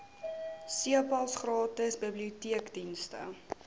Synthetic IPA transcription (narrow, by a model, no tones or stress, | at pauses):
siəpɐlˠsχrɑːtəsbəbliutiəkdinstə̰